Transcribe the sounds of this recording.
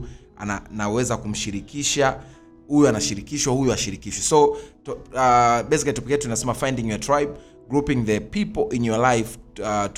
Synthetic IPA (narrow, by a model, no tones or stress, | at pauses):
a̰anawɛzakum̩ʃiɾikiʃa | hujɔanaʃiɾikiʃwahujɔaʃiɾikiʃwɛsɔtaɓɛsikatupikiɛatuinasɛmafãjndiŋjɔtɾajb̚ | ɡɾupĩŋðəpipɔl̩ʔinjɔalajft